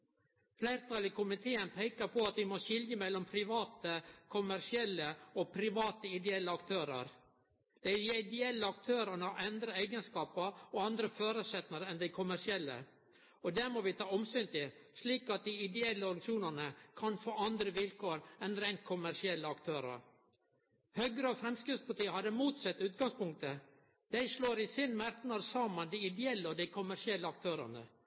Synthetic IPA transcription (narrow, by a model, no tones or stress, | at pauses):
flæɪɾt̪ʰɑlɪkʰʊmɪt̪ʰeːənpʰæɪkəɾpɔɑt̪̚ʋ̪ɪmɔʃɪljəmɛlːɔmpʰɾɪʋɑːt̪əkʰʊmæɾʂɪɛlːəɔpʰɾɪʋɑːt̪əɪd̪ɛɛlːəɑkt̪ʰøːɾə̰ɾ | d̪̥æɪd̪ɛɛlːəɑkt̪ʰøːɾənəʔɛnd̪ɾəæɪɡənskɑːpɑɔɑnd̪ɾəføːɾʉsɛt̪nəɾəɛnd̪æɪkʰʊmæʂɪɛlːə̰ | ɔd̪ɛmɔʋɪt̪ʰɑːɔmsyːnt̪ɪʂliːkɑt̪̚d̪ɪɪd̪ɛɛlːəɔɾŋʂuːnənəkʰɑnfoːɑnd̪ɾəʋɪlkʰoːɾɛnɾɛɪnt̪̚kʰʊmæʂɪɛlːəɑkt̪ʰøːɾə̰ɾ | hœɡɾəɔfɾɛmskɾɪpspɑʈiːəhɑd̪əmuːt̪sɛt̪ːʉːt̪̚ɡɑŋspʊŋk̚t̪ə | d̪̥æɪʂɭoːɾɪsɪnmæɾt̪nɑɾsɑːmənd̪ɪɪd̪ɛɛlːəɔd̪ɪkʰʊmæʂɪɛlːəɑk̚t̪ʰøːɾə̰nə̰